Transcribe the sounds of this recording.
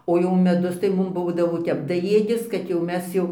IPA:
oː jɛʊ mʲɛˈdʊs tɐɪ ˈmʊm ˈbuːdɐʋoː ˈtʲɛp dɐˈjeːdʲɪs ˈkɐt jɛʊ ˈmʲɛs jɛʊ

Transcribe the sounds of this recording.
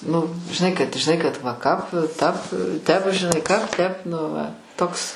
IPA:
ˈnʊ ʒʲɪˈnɐɪ kɐt ʒʲɪˈnɐɪ kɐt ʋɐ kɐp tɐp ˈtʲɛp ʒʲɪˈnɐɪ ˈkɐp ˈtʲɛp nʊ ˈʋɐ ˈtoːks

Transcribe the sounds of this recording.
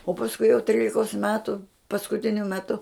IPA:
oː pɐsˈkʊɪ jɛʊ ˈtʲrʲiːlʲɪkoːs ˈmʲæːtʊ pɐskʊˈtʲɪnʲʊ mʲɛˈtʊ

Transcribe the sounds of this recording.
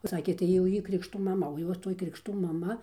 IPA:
oː ˈsɑːkʲeː tɐɪ jɛʊ ˈjiː ˈkrʲɪkʃtuː mɐˈmɐ oː ˈjoːs toːj krʲɪkˈʃtuː mɐˈmɐ

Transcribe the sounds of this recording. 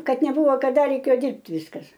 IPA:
ˈkɐt nʲɛˈbʊʋoː kɐˈdɐ rʲɛɪˈkʲeːjoː ˈdʲɪrʲpʲtʲ ˈʋʲɪskɐs

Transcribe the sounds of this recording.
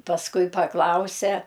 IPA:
pɐsˈkʊɪ pɐˈklˠɐʊsʲɛ

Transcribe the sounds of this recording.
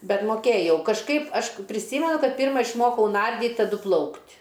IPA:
ˈbʲɛt moːˈkʲeːjɛʊ kɐʃˈkɐɪp ɐʃ pʲrʲɪˈsʲiːmʲɛnʊ ˈkɐt ˈpʲiːrmɐ ɪʃˈmoːkɐʊ ˈnɐrʲdʲiːtʲ tɐˈdʊ ˈplˠɐʊktʲ

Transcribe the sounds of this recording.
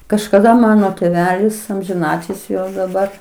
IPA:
kɐʃkɐˈdɐ ˈmɑːnoː tʲeːˈʋʲæːlʲɪs ɐmʲʒʲɪˈnɑːtʲɪlʲsʲɪ jɛʊ dɐˈbɐr

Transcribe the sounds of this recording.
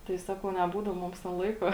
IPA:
ˈtɐɪ ˈsɑːkɐʊ nʲɛˈbuːdɐw ˈmʊms tʲɛn ˈlˠɐɪkoː

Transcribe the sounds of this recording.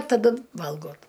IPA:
tɐˈdʊ ˈʋɐlˠɡoːt

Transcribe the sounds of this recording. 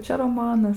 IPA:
ˈt͡ʃʲɛ roːˈmɑːnɐs

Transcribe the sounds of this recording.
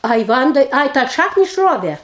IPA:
ˈɐɪ ˈʋɐndɐɪ ˈɐɪ tɑː ˈʃɑːknʲɪ ɪʃˈroːʋʲeː

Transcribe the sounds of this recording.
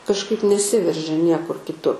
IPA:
kɐʃˈkɐɪp nʲɛˈsʲɪʋʲɛrʲʒʲɛ ˈnʲiɛkʊr kʲɪˈtʊ

